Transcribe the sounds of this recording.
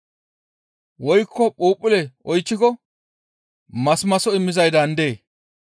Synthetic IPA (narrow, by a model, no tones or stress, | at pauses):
wɔjkːɔpʼuːpʼːɪlɛʔɔjt͡ʃːɪkɔ | mɐsmɐsɔɪmːɪzɐjd̪ɐnd̪eː